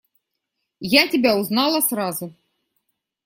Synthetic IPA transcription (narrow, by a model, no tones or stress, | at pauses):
jatʲɪbʲauznɑlˠɐsrazʊ